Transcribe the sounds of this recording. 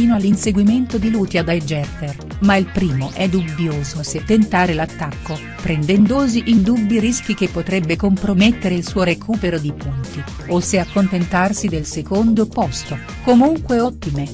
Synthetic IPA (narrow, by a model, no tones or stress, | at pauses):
iːnoalːinseɡwiment̪od̪iluːt̪jad̪ajd͡ʒɛrt̪er | mailpɾiːmoʔɛd̪ubːjoːzoset̪ːent̪aːɾelat̪ːakːo | pɾend̪ɛnd̪oːziʔind̪ubːiɾisk̟ikepːot̪ɾɛbːekompɾomet̪ːeɾeilsuːoɾekʰuːpeɾod̪ipunt̪i | osːeakːont̪ent̪arsid̪elsekond̪opɔst̪o | komuŋkweɔt̪ːime